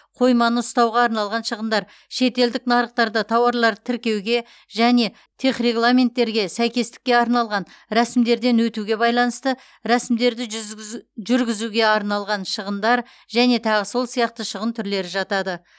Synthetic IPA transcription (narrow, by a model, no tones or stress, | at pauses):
qʰo̞jmɑnəʊst̪ɑwʁɑːɾnɑlˠʁɑnʃəʁənd̪ɑɾ | ʃe̞t̪e̞ld̪ɪknɑɾəqt̪ɑɾd̪ɑt̪ʰɑwɑɾlˠɑɾt̪ʰɪɾkʲe̞wɡʲe̞ | ʒæne̞ | t̪ʰe̞χre̞ɡlˠamʲe̞nt̪ːe̞ɾɡʲe̞sæjkʲe̞st̪ɪ̥kʲːe̞ɑɾnɑlˠʁɑn | ɾæsɪmd̪e̞ɾd̪e̞nwɵt̪uɡʲe̞bɑjlˠɑnəst̪ə | ɾæsɪmd̪e̞ɾd̪ɪ | ʒʏɾɡʲɪzuɡʲe̞ɑɾnɑlˠʁɑnʃəʁənd̪ɑɾ | ʒæne̞t̪ʰɑʁəso̞lˠsijɑq̚t̪əʃəʁənt̪ʰʏɾle̞ɾɪʒɑt̪ɑd̪ə